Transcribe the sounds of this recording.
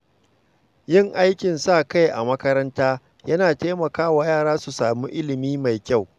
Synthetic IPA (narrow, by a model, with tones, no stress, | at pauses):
jɪ˦ŋʔa˦jkʲɪ˨nsa˦˨ka˦jʔa̰˨mɐ˦kɐ˦ɾɐ˦ntaː˦ | jɐ˦naː˨teː˦mɐ˨kaː˦wa˨jaː˦˨ɽaː˦su˨saː˨mu˦ʔɪ˦lɪ˨miː˦ma˨jkʲa˦˨w